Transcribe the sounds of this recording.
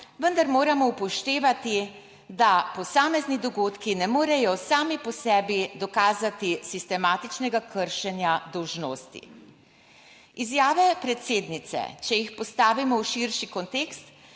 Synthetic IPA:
ʋənd̪aɾmoːɾamɔupɔʃt̪eːʋat̪i | d̪apɔsaːmɛznid̪ɔɡoːt̪kinɛmoːɾɛjɔsaːmipɔsɛːbid̪ɔkaːzat̪isist̪ɛmaːt̪it͡ʃnɛɡakʰəɾʃɛnjad̪ɔwʒnoːst̪ḭ | izjaːʋɛpɾɛt̪seːd̪nit̪sɛ̰t͡ʃɛjixpɔst̪aːʋimɔwʃiɾʃikɔnt̪eːkst̪

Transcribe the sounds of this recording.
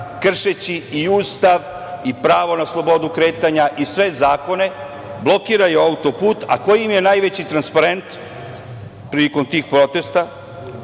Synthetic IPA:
kr̩ʃet͡ɕiiuːst̪aʋ | ipɾaːʋo̞naslˠo̞bo̞d̪ukɾe̞ːt̪aɲaʔisʋe̞zaːko̞ne̞ | blˠo̞kiːɾajeaut̪o̞puːt̪a̰ko̞jimje̞najʋet͡ɕit̪ɾanspaɾe̞nt̪ | pɾiliko̞mt̪iːxpɾo̞t̪e̞st̪a

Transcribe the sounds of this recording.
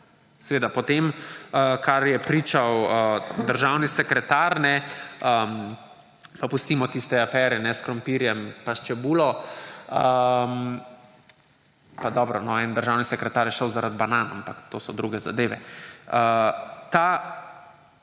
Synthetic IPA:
sɛʋeːd̪apɔt̪eməkʰaɾjɛpɾiːt͡ʃawəd̪əɾʒawnisɛkɾɛt̪aɾnɛə | papust̪iːmɔt̪ist̪ɛafɛːɾɛnɛskɾɔmpiːɾjɛmpaʃt͡ʃɛbuːlɔəm | pad̪ɔbɾɔnɔɛnd̪əɾʒawnisɛkɾɛt̪aːɾjɛʃəwzaɾad̪banaːnampakt̪oːsɔd̪ɾuɡɛza̰d̪eːʋɛ̰ət̪a

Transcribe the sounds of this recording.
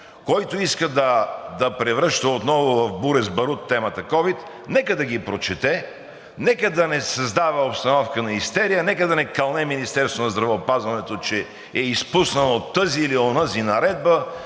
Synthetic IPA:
kɔjt̪oiskəd̪ɐd̪ɐpɾɛvɾəʃt̪əot̪nɔvʊvɐvbuɾɛzbɐɾut̪ːɛmɐt̪ɐkɔvit̪ | nɛkəd̪ɐɡipɾot͡ʃɛt̪ɛ | nɛkəd̪ɐnɛsɐzd̪avɐopst̪ɐnɔfkənɐist̪ɛɾijənɛkəd̪ɐnɛkɐlˠnɛminist̪ɛɾst̪vonɐzd̪ɾɐvɛopazvɐnɛt̪ot͡ʃɛ | ɛispusnɐnoot̪ːɤzilionəzinɐɾɛd̪̚bə

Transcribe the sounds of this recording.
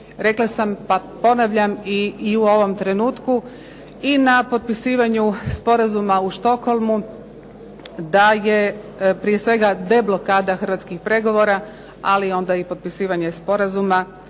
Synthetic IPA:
ɾe̞klˠasampapo̞naʋʎamiːuo̞ʋo̞mt̪ɾe̞nuːt̪ku | inapo̞t̪̚pisiːʋaɲuspo̞ɾazumauʃt̪o̞kxo̞lˠmu | d̪aje̞ | pɾijesʋe̞ɡad̪e̞blˠo̞kaːd̪axər̩ʋat̪skixpɾe̞ɡo̞ʋo̞ːɾa | a̰lio̞nd̪aipo̞t̪̚pisiːʋaɲespo̞ɾazuma

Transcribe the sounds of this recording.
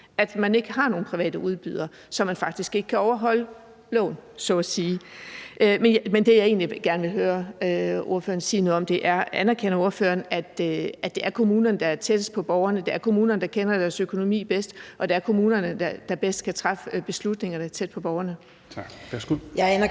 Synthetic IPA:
ʔæd̥mæne̝ɡ̥əɦɑ̈no̝ːn̩pʰʁiʋɛ̰ːd̥əʔuð̞ˠb̥yðˠɐ | sɒ̽mːænfɑ̈ɡ̥d̥isɡ̥e̝ɡ̥əkʰæɒʊɐɦɒ̽l̰ə | lɔ̰ːnsɒɒsiːʔømenmend̥e̝jɑ̈e̝̰ːnliɡ̥æɐnʋe̝ɦøːɐøo̝ɐfø̰ːɐnsiːnoð̩ˠɒ̽md̥e̝ʔæɐænæɐkʰenɐo̝ɐfø̰ːɐnæd̥æd̥e̝æɐkʰo̝muːnɐnəd̥ɑɐt͡sʰed̥əs̚pʰɒ̽b̥ɒʊɐnəd̥e̝æɐkʰo̝muːnɐnəd̥ɑ̈kʰenɐd̥æɐsøkʰo̝no̝mḭːb̥esd̥ʔɒ̽d̥eæɐkʰo̝muːnɐnəd̥ɑd̥ɑ̈b̥esd̥kʰæt͡sʰʁɑ̈fəb̥e̝slud̥ne̝ŋɐd̥ɑ̈æɐt͡sʰed̥̚pʰɒ̽b̥ɒʊɐnə | su

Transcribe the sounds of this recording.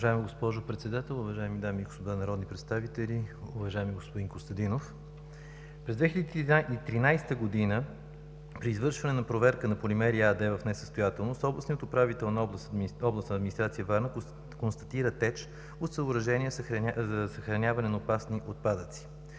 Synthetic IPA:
ɐʒaɛmiɡospɔʒopɾɛt̪sɛd̪at̪ɛlˠʊvɐʒaɛmid̪amiɡospod̪anɐɾɔd̪nipɾɛt̪st̪avit̪ɛlʲiʊvɐʒaɛmiɡospoʊd̪inkost̪ɐd̪inof | pɾɛzd̪vɛxilʲəd̪iit̪ɾinajst̪əɡod̪inə | pɾiːzvɤɾʃvɐnɛnɐpɾovɛɾkənɐpolʲimɛɾiad̪ɛvəfnɛsə̥st̪ojat̪ɛlˠnost̪ɔblˠəsniət̪opɾavit̪ɛlˠnɐɔblˠsɔblˠəsnɐd̪minist̪ɾat̪sijəvaɾnə | konst̪ɐ̥t̪iɾət̪ɛt͡ʃ | ot̪səobɾɐʒɛnʲiəzəsəxɾɐnʲavɐnɛnɐopasniʔot̪̚pad̪ət̪si̥

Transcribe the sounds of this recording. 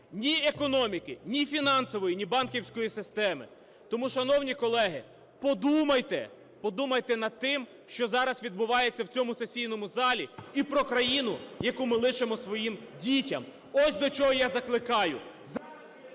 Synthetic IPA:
nʲiekɔnɔmʲikɪnʲifʲinɑnsɔʋɔjinʲibɑnkʲiwsʲkɔjisɪst̪ɛmɪ̰ | t̪ɔmuʃɐnɔwnʲikɔlˠɛɦɪ | pɔd̪umɐjt̪ɛ | pɔd̪umɐjt̪ɛnɐd̪̚t̪ɪm | ʃt͡ʃɔzɑɾɐsʋʲid̪̚bʊʋɑjet͡sʲːɐwt͡sʲɔmʊsesʲijn̪ɔmʊzɑlʲiipɾɔkɾɐjinʊjɐkumɪlˠɪʃemɔsʋɔjimdʲitʲɐm | ɔsʲd̪ɔt͡ʃɔɦɔjazɐklˠɪkɑjʊ | z

